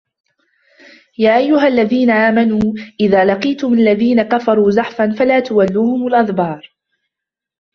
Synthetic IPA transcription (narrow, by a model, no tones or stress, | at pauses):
jaːʔajːʊɦalːaðiːnaʔaːmanuːʔɪðaːlɑqiːt̪ʊmalːaðiːnakafɑɾˤuːzɑħfanfalaːt̪ʊwalːuːhʊmʊlʔɑðˤbɑːɾˤ